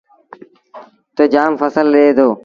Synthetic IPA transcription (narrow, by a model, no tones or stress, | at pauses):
t̪oːd͡ʒaːmfəsəlɗeːd̪oː